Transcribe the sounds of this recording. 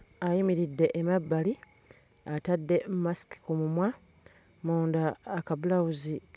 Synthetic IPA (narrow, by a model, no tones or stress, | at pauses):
ajimiɾidːe̞ʔːmabːali | atadːe̞mumasi̥ki̥kumumwa | muːndaːkaβulawuzik